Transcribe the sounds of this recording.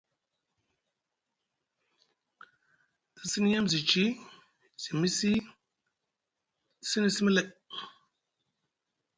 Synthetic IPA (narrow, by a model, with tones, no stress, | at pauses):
i˨si˦ni˦ja˦mzi˨t͡ʃi˦ | z̥i˨mi˦si˦˨ | si˦ni˨si˦mə˦lɛ˦˨ʔ